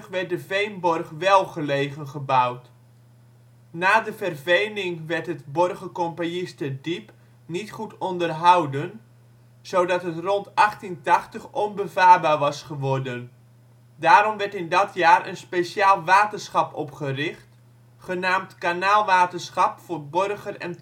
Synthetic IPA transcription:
χʋɛrt̚dəvejnbɔrχʋɛlˠχəlejχənχəbawt | naːdəvərvejnɪŋʋɛrtɦətbɔrχəkɔmpanɪstədip | nitχutɔndərɦawdən | z̥owdɑtɦətrɔntɑχtintɑχtəχɔnbəvaːrbaːrʋɑsχəʋɔrdən | daːɾɔmʋɛɹtɪndɑtjaːrʔə̰nspesaːlˠʋaːtərsχɑpɔpχərɪχt | χənaːmtkanaːlˠʋaːtənsχɑpfoːrbørχərɛ̰n

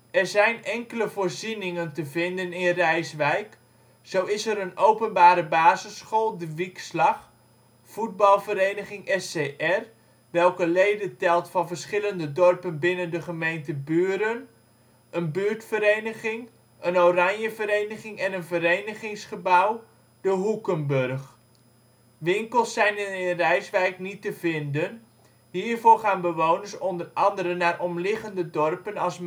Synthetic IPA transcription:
ɛrzɛjnɛŋkələvoːrzinɪŋəntəvɪndənɪnrɛjsʋɛjk | sowɪsəɾənowpənbaːɾəbaːzəsχolˠdəʋikslɑχ | fud̚bɑlˠvəɾejnəχɪŋʔɛseʔɛr | ʋɛlˠkəlejdəntɛlˠtfɑnvərsχɪləndədɔrpənbɪnəndəχəmejntəbyːɾən | ənbyːɹtfəɾejnəχɪŋ | ənorɑɲjəvəɾejnəχɪŋɛnənvəɾejnəχɪŋsχəbaw | dəɦukəmbørχ | ʋɪŋkəlˠsːɛjnɪnrɛjsʋɛjknitəvɪndən | ɦiːrvʊːrχaːnbəʋownəɹsɔndərɑndəɾənaːrʔɔmlɪχəndədɔrpənɑlˠs

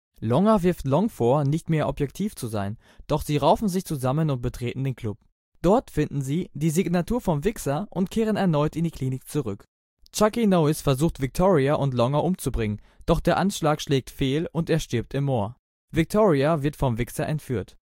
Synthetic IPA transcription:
lɔŋavɪɐftlɔŋfoːɐnɪçtmeːɐʔɔpjɛktʰiːft͡suzaɪn | d̥ɔχz̥iːʁaʊfn̩zɪçt͡suzamənʊnt̚b̥ətʁ̥eːtn̩deːnkʰl̥ʊp̚ | d̥ɔɐtfɪndn̩ziːd̥iːziɡnatʰuːɐfɔmvɪksaʔʊntkʰeːʁ̞ənɛɐnɔʏtɪndiːkʰliːnɪk̚t͡suʁʏk | t͡ʃakinoʊɪsfɛɐzuːxtv̥ɪk̚tʰoːʁiaʔʊntlɔŋaʔʊmt͡subʁɪŋən | d̥ɔχd̥eːɐʔanʃlaːkʃlɛːk̚tfeːlʊnteːɐʃtɪɐp̚tɪmːoːɐ | vɪk̚tʰoːʁiavɪɐtfɔmvɪksaʔɛntfyːɐt

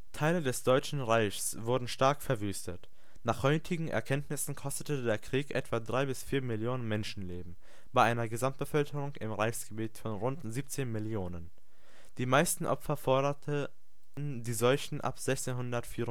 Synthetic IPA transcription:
tʰaɪlədɛsd̥ɔʏt͡ʃn̩ʁaɪçsv̥ʊɐdn̩ʃtaɐkfɛɐvyːstət | naːχhɔʏtʰɪɡŋ̩ʔɛ̰ɐkʰɛntnɪsn̩kʰɔstətədeːɐkʁ̥iːkʔɛtv̥adʁaɪbɪsfiːɐmɪljoːnənmɛnʃn̩leːbm̩ | b̥aɪʔaɪnɐɡəzamt̚b̥əfœlkəʁʊŋɪmʁaɪçsɡ̥əbiːtfɔnʁʊntziːp̚t͡seːnmɪljoːnən | d̥iːmaɪstn̩ʔɔ̰pfɐfɔɐɾɐtʰə | ndiːzɔlçn̩ʔa̰pz̥ɛçt͡seːnhʊndɐtfiːʁ

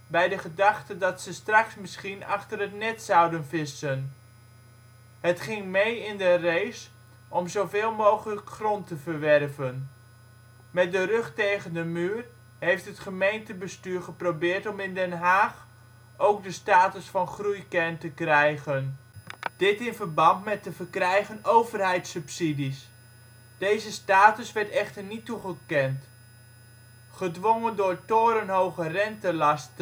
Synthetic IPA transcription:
bɛjdəχədɑχtədɑtsəstrɑksmɪsχinɑχtərətnɛtsɑwdənvɪsən | hətχɪŋmejɪndərejs | ʔɔmzowvɪːlˠmowχələkχrɔntəvəɹʋɛrvən | mɛt̚dərøχtejɣəndəmyːər | ɦejftɦətχəmejntəbəstyːɹχəprowbɪːrtɔmɪndɛnɦaːχ | owk̚dəstaːtəsfɑnχrujkɛrntəkrɛjχənd̥ɪtɪnvərbɑntmɛt̚əvərkrɛjχənowvərɦɛjtsɵpsidis | d̥ejzəstaːtəsʋɛɹtɛχtərnitːuχəkɛnt | χədʋoŋəndʊːɹtoːɾənɦowχərɛntəlɑstə

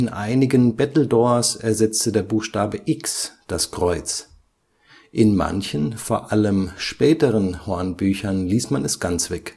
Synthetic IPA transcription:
ɪnʔa̰ɪnɪɡənbɛtl̩dɔːɐsɛɐzɛt͡stədeːɐbuːxʃtaːbəʔɪksd̥askʁ̥ɔʏt͡s | ʔɪnma̰nçənfoːɐʔaləmʃpɛːtəʁənhoɐnbyːçɐnliːsmanɛsɡ̥ant͡sv̥ɛk

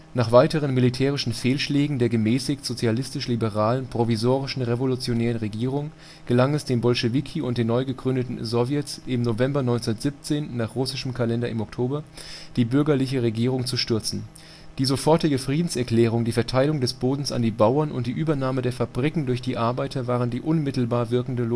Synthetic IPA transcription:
naːχv̥aɪtəʁ̞ənmilitʰɛːʁ̞ɪʃn̩feːlʃlɛːɡŋ̩deːɐɡəmɛːsɪçtz̥ot͡sjalɪstɪʃlibəʁaːlənpʁ̥ovizoːʁɪʃn̩ʁevolut͡sjonɛːʁənʁeɡiːʁ̞ʊŋ | ɡ̥əlaŋɛsd̥eːmnbɔlʃeviːkʰiʊntd̥eːnɔʏɡəɡʁʏndətn̩zɔvjɛtsɪmnovɛmbɐnɔʏnt͡snɐtz̥ip̚t͡seːnːaːχʁʊsɪʃəmkʰalɛndɐɪmɔktʰoːbɐd̥iːbʏɐɡɐlɪç̬əʁeɡiːʁ̞ʊŋt͡suʃtʏɐt͡sn̩ | d̥iːzofɔɐtɪɡəfʁ̥iːdn̩sɛɐkl̥ɛːʁ̞ʊŋdiːfɛɐtʰaɪlʊŋdɛsb̥oːdn̩sa̰ndiːbaʊɐnʔʊ̰nt̚d̥iːʔyːbɐnaːmədeːɐfabʁikŋ̩dʊɐçd̥iːʔaɐbaɪtʰɐvaːʁəndiːʔʊnmɪtl̩baːɐvɪɐkŋ̩də

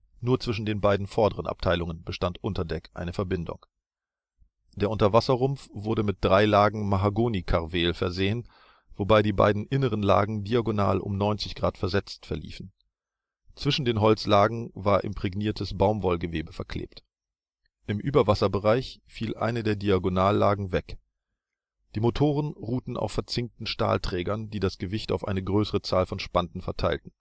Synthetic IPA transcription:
nuːɐt͡sv̥ɪʃn̩deːnbaɪdn̩fɔɐdəʁənʔa̰p̚tʰaɪlʊŋənbəʃtantʔʊntɐdɛkʔa̰ɪnəfɛɐbɪndʊ̰ŋ | d̥eːɐʔʊntɐvasɐʁʊmfv̥ʊɐɾəmɪt̚d̥ʁaɪlaːɡŋ̩maɦaɡoːnikʰaʁveːlfɛɐzeːən | v̥obaɪdiːba̰ɪdn̩ʔɪnəʁənla̰ːɡŋ̩diaɡona̰ːlʔʊ̰mnɔʏnt͡sɪçɡ̥ʁaːtfɛɐzɛt͡stfɛɐlḭːfn̩ | t͡sv̥ɪʃn̩deːnɦɔlt͡slaːɡŋ̩vaːɐʔɪ̰mpʁ̥ɛɡniːɐtʰəsb̥aʊmvɔlɡəveːbəfɛɐkʰl̥ḛːpt | ʔɪmʔyːbɐvasɐbəʁaɪçfiːlʔa̰ɪnədeːɐdiaɡonaːlːaːɡŋ̩vɛk | d̥iːmotʰoːʁ̞ənʁuːtn̩ʔa̰ʊfɛɐt͡sɪŋk̚tn̩ʃta̰ːltʁ̥ɛːɡɐndiːdasɡ̥əvɪçtaʊfʔaɪnəɡʁøːsəʁət͡saːlfɔnʃpandn̩fɛɐtʰaɪltn̩

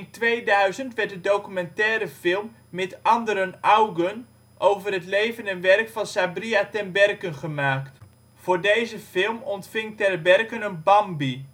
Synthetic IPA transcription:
ntʋejdœɥzəntʋɛɹt̚dədowkymɛntɛːɾəfɪlˠmːɛtɑndəɾənʔawɡən | ʔowvərɦətlejvənɛnʋɛrkfɑnsabriatɛnbɛrkənχəmaːkt | fʊːɹdejzəfɪlˠmɔntfɪŋtɛrbɛrkənənbɑmbi

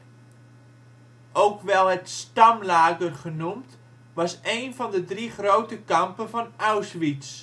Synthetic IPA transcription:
ʔowkʋɛlˠətstɑmlaːɡərχənumt | ʋɑsejnfɔndədriχrowtəkɑmpənvɔnawsʋit͡s

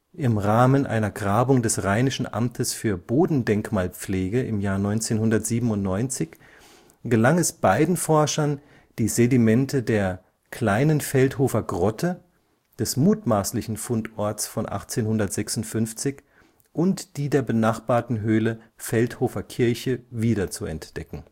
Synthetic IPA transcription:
ʔɪmʁaːmənʔa̰ɪnɐɡʁaːbʊŋdɛsʁaɪnɪʃn̩ʔa̰mtʰəsfyːɐboːdn̩dɛŋkmaːlp͡fleːɡəʔɪ̰mjaːɐnɔʏnt͡seːnhʊndɐtz̥iːbm̩ʊntnɔʏnt͡sɪç | ɡ̥əlaŋɛsb̥aɪdn̩fɔɐʃɐn | d̥iːzedimɛntʰədeːɐ | kʰl̥aɪnənfɛlthoːfɐɡʁɔtʰə | d̥ɛsmuːtmaːslɪçn̩fʊntʔɔɐtsfɔnʔa̰χt͡seːnhʊndɐtz̥ɛksʊntfʏnft͡sɪç | ʔʊntd̥iːdeːɐbənaχb̥aːɐtn̩ɦøːləfɛlthoːfɐkʰɪɐçəviːdɐt͡suɛ̰ntd̥ɛkŋ̩

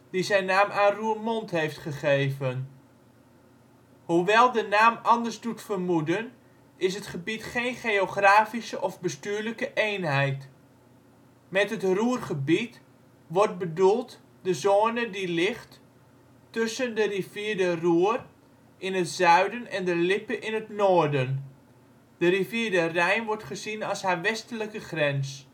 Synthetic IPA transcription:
d̥izɛjnaːmʔaːnruːrmɔntɦejftχəχejvən | huʋɛlˠdənaːmɑndərzdutfərmudən | ʔɪs̬ətχəbitχejnχeoχraːfisəʔɔvbəstyːɹləkəʔejnɦɛjt | mɛtətruːrχəbit | ʋɔrt̚bədulˠt | dəzoːnədilɪχt | tɵsəndəriviːəɹdəruər | ʔɪnətzœɥdənɛndəlɪpəʔɪnətnɔːrdən | d̥əriviːdərɛjnʋɔɹtχəzinɑlˠshaʋɛstələkəχrɛns

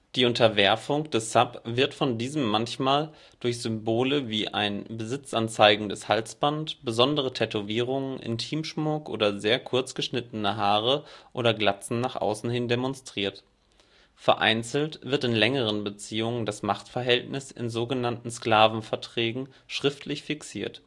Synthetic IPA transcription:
d̥iːʊntɐvɛɐfʊŋd̥ɛsapv̥ɪɐtfɔndiːzəmːançmaːl | d̥ʊɐçz̥ʏmboːləviːʔa̰ɪnbəzɪt͡sʔant͡saɪɡŋ̩dɛshalsb̥antb̥əzɔndəʁ̞ətʰɛtoviːʁ̞ʊŋənʔɪ̰ntʰiːmʃmʊkʔo̰ːdɐzeːɐkʰʊɐt͡sɡ̥əʃnɪtn̩əɦaːʁəʔoːɾɐɡlat͡sn̩naːχʔa̰ʊsn̩hɪndemɔnstʁ̥iːɐt | fɛɐʔa̰ɪnt͡sl̩tv̥ɪɐtɪnlɛŋəʁ̞ənbət͡siːʊŋəndasmaχtfɛɐɦɛltnɪsɪ̰nzoːɡənantn̩skl̥aːvn̩fɛɐtʁ̥ɛːɡŋ̩ | ʃʁ̥ɪftʰlɪçfɪksiːɐt

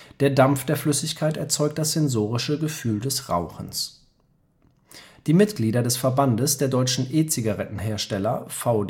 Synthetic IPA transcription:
d̥eːɐdamfd̥eːɐflʏsɪçkʰaɪtɛɐt͡sɔʏk̚t̚d̥asz̥ɛnzoːʁ̞ɪʃəɡəfyːldɛsʁa̰ʊxn̩s | d̥iːmɪtɡ̥liːdɐdɛsfɛɐbandəsd̥eːɐdɔʏt͡ʃn̩ʔeːt͡siɡaʁɛtn̩ɦeːɐʃtɛlɐfaʊ

